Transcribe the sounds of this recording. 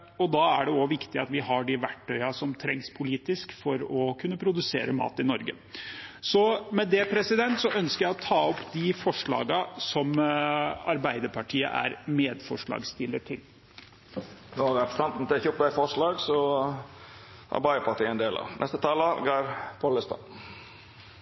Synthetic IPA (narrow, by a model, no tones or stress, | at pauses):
ɔd̪ɑæɖɛɔʋɪkt̪ɪɑt̪ʋɪɦɑɖɪʋæʈʰːœʏɑsɔmt̪ʰɾɛŋspʰʊliːt̪ɪskfɔɾɔkʰʉnːəpʰɾʊd̪ʉsḛːɾəmɑ̰ːt̪ɪnɔɾɡə̰ | sɔmɛd̪ɛpʰɾɛsɪd̪ɛnt̪sɔʔœnskəɾjæɪɔt̪ʰɑːɔpːd̪ɪfɔʂɭɑ̰ːɡɑsɔm | ɑɾbæɪd̪əɾpʰɑʈʰiːə̰ʔæ̰ɾmeːd̪fɔʂɭɑ̰ːɡst̪ɪlːəʈʰɪl | noɑɾɛpst̪ɑnt̪n̩t̪ɪçʊpbæɪfɔʂɭɑːɡsɔ | ʔɑ̰ɾbɑɪəpʰɑʈiːəɛnd̪eːlɑ̰nʔɛ̰st̪ət̪ʰɑːləɡɑɾpʰoːləst̪ɑ̰